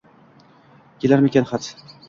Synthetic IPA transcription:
kʲʰelaɾmekʲanχat̪

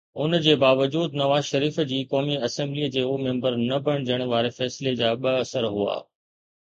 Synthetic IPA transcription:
ʊnd͡ʑeːbaːʋəd͡ʑuːd̪nɐʋaːzʃɐɾiːfd͡ʑiːkɔːmiɐsɛ̃mbliːd͡ʑeːoːmɛ̃ːmbəɾnɐbɐɽ̃d͡ʑəɽ̃ʋaːɾefɛːsled͡ʑaːɓɐɐsəɾɦua̰ː

